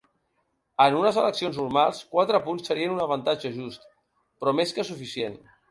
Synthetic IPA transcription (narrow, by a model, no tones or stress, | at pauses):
ənunəzələksionznuɾmalˠskwat̪ɾəpunsːəɾiənunəβ̞ənt̪ad͡ʒəʒust̪ | pɾɔmeskəsufisien